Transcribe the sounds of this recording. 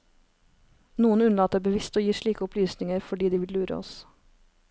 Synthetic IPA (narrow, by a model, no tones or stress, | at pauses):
nuːənʉnlɑːt̪̚ebəʋɪst̪oːjiːʃɭiːkəʊpʰlyːsnɪŋəɾfɔɖiːd̪iːʋɪllʉːɾə̰ɔ̰s